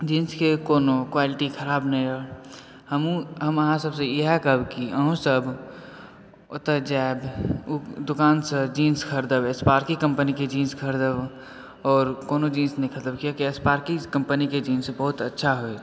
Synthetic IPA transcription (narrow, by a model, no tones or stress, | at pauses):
d͡ʒiːnskekoːnokwaːlɪʈikʰəɾaːbñɾə | həmũɦəməɦãsəbsejeɦɛkəbkiəɦũsəb | ot̪əd͡ʒaeb | d̪ʊkaːnsəd͡ʒiːnskʰəɾd̪əbespaːɾkikə̃mpəniked͡ʒiːnskʰəɾd̪əb | ɔːɾkoːnod͡ʒiːnsnekʰət̪əbkijakiespaːɾkikə̃mpəniked͡ʒiːnsebəɦʊt̪ətːʃʰaɦoe